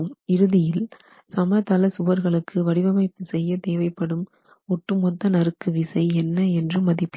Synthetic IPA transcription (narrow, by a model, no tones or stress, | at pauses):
mɪɾɯðɪjɪl | sɐmɐt̪ɐlɐsʊʋɐɾɣɐɭɯkːɯʋɐɽɪʋɐmɐɪp̪ːɯsɛjːɐt̪eːʋɐɪpːɐɽɯm | ɔʈːɯmɔt̪ːɐnɐɾɯkːɯʋɪsɐɪɛnːɐɛndrɯmːɐðɪpː